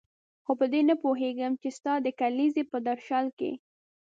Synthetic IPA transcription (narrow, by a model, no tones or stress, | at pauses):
xopəd̪enəpoɦeɡəmt͡ʃest̪ɑd̪əkalizepəd̪aɾʃɑlkḛ